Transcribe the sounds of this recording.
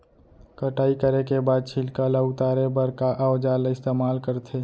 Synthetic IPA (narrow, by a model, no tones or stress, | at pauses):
kəʈaːikəɾekebaːd̪̚t͡ʃʰɪlkalaʊt̪aːɾebəɾkaʔəʋd͡ʒaːlaɪst̪eːmaːlkəɾt̪ʰeː